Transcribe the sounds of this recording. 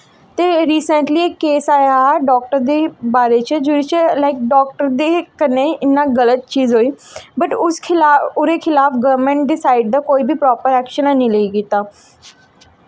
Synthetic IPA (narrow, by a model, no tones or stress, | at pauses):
t̪eːɾiːsə̃ɳʈliːeːkːeːsaːjaɖɔːk̚ʈəɾd̪eːbaːɾeːt͡ʃd͡ʒuɾit͡ʃlaɪk̚ɖɔːk̚ʈəɾd̪eːkəneːɪnːãːɡələt̪̚t͡ʃiːzɦoːiːbəʈʊskʰɪʊɾeːkʰɪlaːfɡəʋɾmə̃ɳʈ̚ɖɪsaːɪɖ̚d̪aːkoːiːbʱiːpɾɔːpəɾɛːkʃənãːnĩːləiːkiːt̪aː